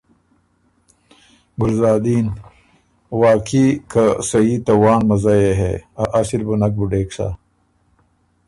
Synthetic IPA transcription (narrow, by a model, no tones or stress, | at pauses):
ɡulzaːd̪iːn | waːkʰikɐsɐiːt̪ɐwaːnmɐzajeɦḛaʔasiɾbunɐk̚buɖeːksa̰